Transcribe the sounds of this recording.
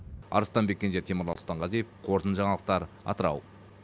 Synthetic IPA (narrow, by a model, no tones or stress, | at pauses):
ɑ̰ɾəst̪ɑnbe̞kʲːenʃet̪ʰeməɾlɑlˠst̪ɑɴʁɑzijepqʰo̞ɾt̪ənʒɑɴɑlˠəq̚t̪ɑɾ | ɑ̰t̪əɾɑ̰w